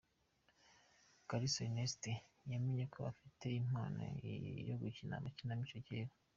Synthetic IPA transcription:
kaɾisoineste | jameɲe̞kʰoβa̰fitʰe̞im̥a̰ːno̰ijo̰ɡucina̰macinamit͡ʃoceːɾa

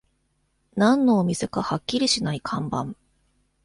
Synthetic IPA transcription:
nãnːo̞ːmʲise̞kahakʲːiɾʲiɕinaikʰãmbã̰m

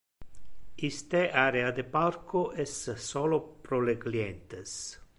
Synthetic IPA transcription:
ist̪eʔaɾead̪epaɾkoʔɛsːɔlopɾoleɡljent̪es

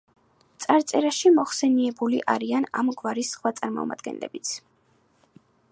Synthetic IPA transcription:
t̪sʼaɾt̪sʼɛɾaʃimɔχsɛniɛbuliʔaɾiana̰mɡwaɾisːχwat̪sʼaɾmɔ̰ma̰d̪ɡɛ̰nlɛ̰bit̪sʰ

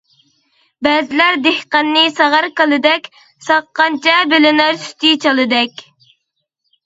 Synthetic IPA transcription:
bɛzɪlæɾd̪ehqɑnːɨsɑʁɑɾkəlˠɨd̪ɛkʲ | sɑqːɑnt͡ʃʰɑbɪlɪnæɾsy̥t̪ʰit͡ʃʰɑlˠɨd̪ɛkʲ

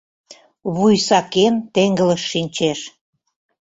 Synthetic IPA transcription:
βujsɑkent̪eŋɡələʃːinʲt͡ɕeʃ

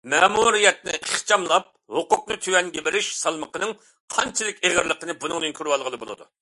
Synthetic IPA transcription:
mɛmuɾijɛt̪̚nɪ̰ʔəχt͡ʃʰɑmlˠɑp̚hoqʊqnɨt̪ʰywɛnɡʲebɪɾɪʃsɑlˠməqənɨŋ | qʰɑnt͡ʃʰɨlˠɨkʲeʁəɾlˠəqənɨbunɨŋd̪ɨŋkʲʰyɾwɑlˠʁəlˠɨbo̰lˠɨ̰d̪ṵ

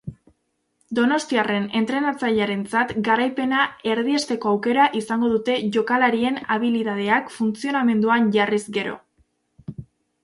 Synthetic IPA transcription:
d̪o̞no̞st̪iare̞ne̞nt̪ɾe̞nat͡saʎaɾe̞nt͡sat̪ɡaɾajpe̞nae̞ɾðie̞st̪e̞ko̞awke̞ɾaʔisaŋɡo̞ðut̪e̞ʝo̞kalaɾie̞naβiliðað̞e̞akfunt͡sio̞name̞nd̪uanʝarizɡe̞ɾo̞̰

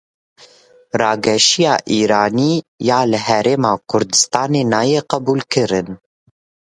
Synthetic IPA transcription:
rɑːɡɛʃijɑːʔiːɾɑːniːjɑːlɨɦɛɾeːmɑːkʰʊɾd̪ɨst̪ɑːneːnɑːjeːqæbuːlkʰɨɾɨn

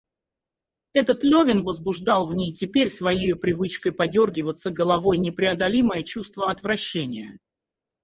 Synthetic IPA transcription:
ɛt̪ət̪lʲovʲɪnvəzbʊʐd̪ɑlˠvnʲejtʲɪpʲeɾʲsvɐjejʊpɾʲɪvɨt͡ɕkəjpɐdʲorɡʲɪvət̪səɡəlˠɐvo̞jnʲɪpɾʲɪɐd̪ɐlʲiməjət͡ɕust̪vəɐt̪vɾɐɕːenʲɪjə

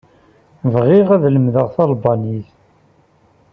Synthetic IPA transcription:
vʁɪʁæðləmðəʁθɑlbɑniθ

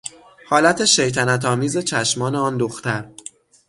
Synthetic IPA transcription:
hɒːlæt̪ʰe̞ʃe̞jt̪ʰænæt̪ʰɒːmiːze̞t͡ʃʰæʃmɒːneɒːnd̪oxt̪ʰæɾ

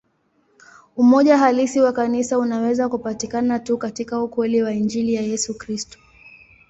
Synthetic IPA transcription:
umɔʄaɦalisiwakanisaunawɛzakupatikanatukatikaukwɛliwaind͡ʒilijajɛsukɾistɔ̥

